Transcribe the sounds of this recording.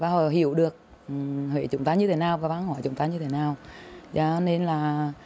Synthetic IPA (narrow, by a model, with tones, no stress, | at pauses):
vaː˧˦hɔ˨˩ɦi˧˩əwɗɨ˨˩ək̚ | hwḛ˧˩t͡ɕʊ˨˧˦ŋ͡mt̪aː˧˦ɲɨ˧t̪ʰe˧˩˦naː˨˩wvaː˨˩ɓaː˨˦nhɔ˧˩jt͡ɕʊ˨˦ŋ͡mt̪aː˧˦ɲɨ˧t̪ʰe˧˩naː˨˩wzɔ˧˦ne˧nlaː˨˩